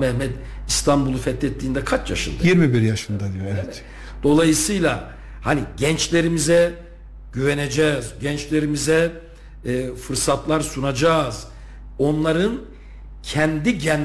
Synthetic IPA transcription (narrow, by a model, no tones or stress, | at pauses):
mɛhmɛd̪ist̪ʰambulˠufɛt̪ʰlʲɛt̪ʰːiːnd̪ɛkʰat͡ʃjaʃɯ̰nd̪ajiɾmibiɾjaʃɯnd̪ad̪ijoɛvɛ | d̪̥o̞lˠajɯsɯjlˠa | haniɟɛnt͡ʃlʲe̞ɾimizɛ | ɟ̥yvened͡ʒɛːzɟɛnt͡ʃlʲe̞ɾimizɛ | fɯɾsat̪lˠaɾsunad͡ʒaːz | o̞nlˠaɾɯn | cʰɛnd̪iɟɛn